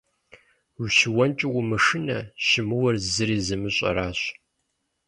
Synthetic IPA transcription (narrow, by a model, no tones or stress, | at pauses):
wʷʃɪwɔnt͡ʃʼɪwʷʊmɨʂɨnɐʃɪmɨwɐrzɨɾiːzɨmɨɕʼɐ̰ɾaːɕ